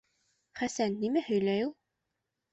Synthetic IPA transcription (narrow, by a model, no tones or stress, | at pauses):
χæsænːimæhɵ̆jlæjulˠ